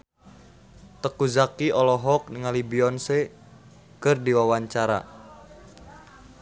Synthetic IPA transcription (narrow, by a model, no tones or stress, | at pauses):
t̪əkuzakiɔlɔɦɔk̚niŋalibiɔnse | kɨrdiwawaɲt͡ʃaɾa̰